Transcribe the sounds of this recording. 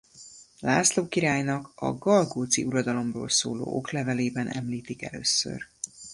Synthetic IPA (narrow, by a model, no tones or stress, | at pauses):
laːsloːkiɾaːjnɒkɒ̰ɡɒlɡoːt̪sḭuɾɒd̪ɒlo̞mroːlso̰ːlo̰ːʔoklɛvɛleːbɛnʔɛ̰mliːt̪ikɛ̰løːsːø̰r